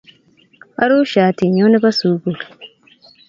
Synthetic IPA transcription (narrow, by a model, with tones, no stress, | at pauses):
ʔa̰˦ɾuː˦ʃaː˨ti˨ɲo˦ni˦ba˦suː˨ɡu˨l